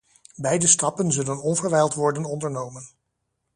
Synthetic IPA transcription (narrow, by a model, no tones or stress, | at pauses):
bɛjdəstɑpənzɵlənɔnvəɹʋɛjlˠtʋɔɹdənɔndəɹnowmən